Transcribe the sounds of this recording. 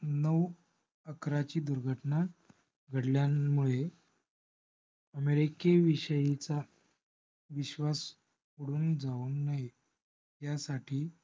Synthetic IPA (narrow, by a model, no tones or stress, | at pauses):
nəʋ | əkɾat͡ɕiːd̪uɾɡʱəʈna | ɡʱəɽljamuɭe | əmeɾikeʋiɕəjit͡sa | ʋiɕʋas | oɽuːnd͡zauːnnaj | jasaʈʰiː